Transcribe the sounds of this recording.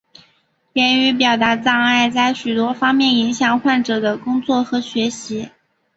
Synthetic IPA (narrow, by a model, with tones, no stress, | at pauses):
ljɛ˧˥ny˧˥p̬jɑ˨˩ʊt̪a˧˥t͡sɑ˥˧ŋa˥˧ɪt͡sa˥˩ɪɕy˨˩t̪wɔ˥fɑ˥ŋmjɛ˥˩ni˧˥ŋɕjɑ˨˩ŋxwa˥˩nʈ͡ʂɤ˨˩d̪ə˦kʊ˥ŋt͡swɔ˥˩xɤ˧˥ɕɥɛ˧˥ɕi˧˥